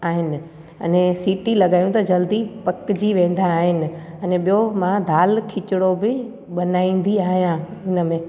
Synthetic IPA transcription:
aːɦɪnɪ̆ | ɐ̰nẽsiːʈilɐɠaːjũt̪ɐd͡ʑɐld̪ipɐkɪd͡ʑiʋẽːn̆d̪aːɦɪnɪ̆ | ɐnẽɓijomãd̪ʱaːlkʰɪt͡ɕɪɽobɪ | ɓɐnaːĩːn̆d̪iaːɦijãɪnə̆mẽː

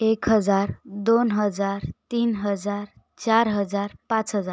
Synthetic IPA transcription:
ekɦəd͡ʒaɾd̪onɦəd͡ʒaɾt̪inɦəd͡ʒaɾ | t͡ʃaɾɦəd͡ʒaɾpãt͡ʃɦəd͡ʒaɾ

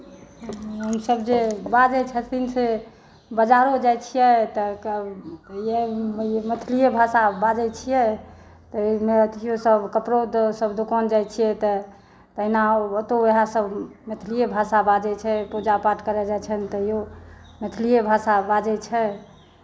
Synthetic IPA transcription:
ɦəmsəbd͡ʒebad͡ʒɛt͡ʃʰɛd̪inse | bəd͡ʒaɾod͡ʒajt͡ʃʰijɛt̪ə | jemət̪ʰilijebʱasabad͡ʒɛt͡ʃʰijɛ | t̪əmet̪ʰijosəbkəpɾod̪ɔsəbd̪okənd͡ʒajt͡ʃʰijɛt̪ɔ | t̪əinaət̪oeɦãsəbmet̪ʰilijebʱasabad͡ʒɛt͡ʃʰɛpud͡ʒapaɾʈkəɾɛd͡ʒat͡ʃʰənt̪ɔiomet̪ʰlijebʱasabad͡ʒɛt͡ʃʰɛ

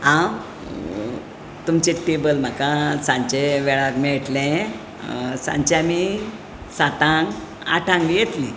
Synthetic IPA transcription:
ãw | t̪umt͡ɕẽʈebəlm̤akasãɲt͡ɕeʋɛɭakmɛɭʈlɛ̃ | sã̰ɲt͡ɕeami | sat̪ãŋɡ | a̰ʈʰãŋɡijet̪lĩ

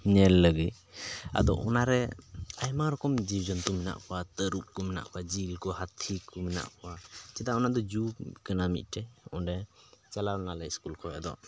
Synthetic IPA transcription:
nɛlːəɡɯj | a̰d̪ɔ̰ɔnaɾɛajmaɾɔkɔmd͡ʒibd͡ʒɔnt̪umina̰ʔkʰɔwat̪əɾup̚kɔmina̰ʔkʰwad͡ʒilkɔhat̪ʰikumina̰ʔkʰɔwat͡ʃɛd̪aɔnaʔd̪ɔd͡ʒukɯnamḭt̚ʈɛɔ̰ndɛt͡ʃalanalajskulkʰɔjad̪ɔ̰

